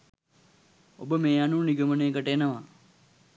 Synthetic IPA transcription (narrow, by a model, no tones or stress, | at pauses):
o̰bəmeːanuniɡəməneːkəʈəenəʋa